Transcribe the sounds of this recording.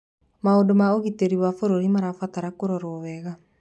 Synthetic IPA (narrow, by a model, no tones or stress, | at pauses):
maodomaoɣiteɾiwafoɾoɾimaɾafataɾakoɾɔɾowɛɣa